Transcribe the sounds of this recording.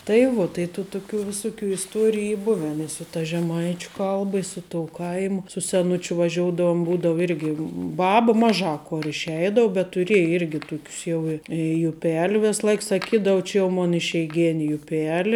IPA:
tɐɪ ˈʋuɔ tɐɪ tuː tʊˈkʲuː ʋʲɪˈsʊˌkʲuː ɪsˈtuɔrʲɪjʊ ˈiː ˈbʊʋʲɛn ɪ sʊ tɐ ʒʲɛˈmɐɪt͡ʃʲʊ ˈkɐlˠbɐ ɪ ˈsʊ ˌtoːʊ ˈkɐɪmʊ sʊ sʲɛˈnʊt͡ʃʲʊ ʋɐˈʒʲoːʊdɐʋʊm ˈbuːdɐʋʊ ˈɪrʲɡʲɪ ˈbɑːbɐ ˈmɑːˌʒɑː ˈkoːr ɪʃʲˈɛɪdɐʊ bʲɛt tʊˈrʲiɛjɪ ˈɪrʲɡʲɪ ˈtʊkʲʊs ˈjɛʊ ɪ jʊˈpʲɛlʲ ˈʋʲeːs ˈlˠɐɪk sɐˈkʲiːdɐw ˈt͡ʃʲɪ jɛʊ ˈmoːn ɪʃʲɛɪˈɡʲæːnʲɪ jʊˈpʲæːlʲɪ

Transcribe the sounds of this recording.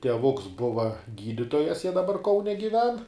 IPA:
tʲiɛˈʋʊks ˈbʊʋɐ ˈɡʲiːdʲɪtoːjɛs jiɛ dɐˈbɐr ˈkɐʊnʲɛ ɡʲɪˈʋʲɛn

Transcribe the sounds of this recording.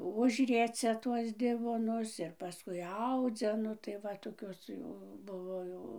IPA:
ˈʊʒʲrʲiɛt͡sʲɛ ˈtuɔs ˈdʲɪʋoːnʊs ɪr pɐˈskʊɪ ˈɐʊd͡zʲɛ ˈnʊ tɐɪ ˈʋɐ toːˈkʲoːs jɛʊ ˈbʊʋoː jɛʊ

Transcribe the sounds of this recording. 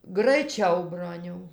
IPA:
ɡrɐɪˈt͡ʃʲɛʊ ˈbroːnʲɛʊ

